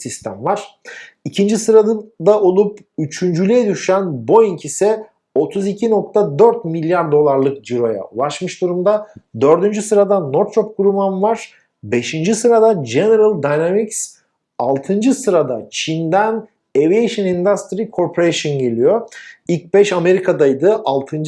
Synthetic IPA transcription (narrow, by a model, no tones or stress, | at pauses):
sist̪ʰæ̰mvaɾ̥ | icʰind͡ʒisɯɾad̪aʔo̞lˠup | yt͡ʃʰynd͡ʒylʲijɛd̪yʃænbo̞jiɲcʰisɛ | o̞t̪ʰuzicʰino̞k̚t̪ʰad̪øɾt̪milʲjaɾd̪o̞lˠaɾlˠɯkd͡ʒiɾo̞ja̰ulˠaʃmɯʃd̪uɾumd̪ad̪ø̞ɾd̪ynd͡ʒysɯɾad̪anoɾt̪t͡ʃop̚kuɾumanvaɾ̥ | be̞ʃind͡ʒisɯɾad̪ad͡ʒene̞ɾalˠd̪ajnamiks | alˠt̪ʰɯnd͡ʒɯsɯɾad̪at͡ʃʰind̪æn | eviejʃɯnind̪ast̪ɾikʰo̞ɾpʰoɾeʃonɟe̞lʲijo̞ilʲc̚bɛʃame̞ɾikʰad̪ajd̪ɯʔalˠt̪ʰɯn